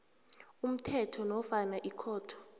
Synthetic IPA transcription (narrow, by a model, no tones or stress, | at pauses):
um̩tʰɛtʰɔnɔfanaʔikʰɔːtʰɔ̥